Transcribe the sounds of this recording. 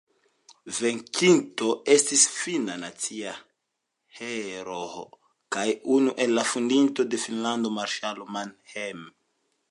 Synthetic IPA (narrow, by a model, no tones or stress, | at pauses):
veŋkʰintoestisfinanat͡sia | heɾoo | kajunuʔenlafundinto̞definland̪omaɾʃalomanhem